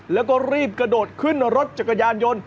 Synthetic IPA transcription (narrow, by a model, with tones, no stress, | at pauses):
lɛː˦˥wkɔː˥˩ɾiː˥˩p̚kɾa˧noː˨˩t̪̚kʰɯ˥˩na˧ɾo˦˥t̪̚t͡ɕaː˨˩kːa˧jaː˧njo˧n